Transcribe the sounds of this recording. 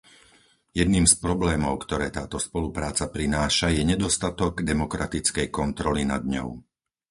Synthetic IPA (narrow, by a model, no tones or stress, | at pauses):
jɛd̪niːmspɾɔblɛːmɔʊkt̪ɔɾɛːt̪aːt̪ɔspɔlupɾaːt͡sapɾinaːʃajɛɲɛd̪ɔst̪at̪ɔɡd̪ɛmɔkɾʔat̪it͡skɛjkɔnt̪ɾɔlinad̪ɲɔ̰ʊ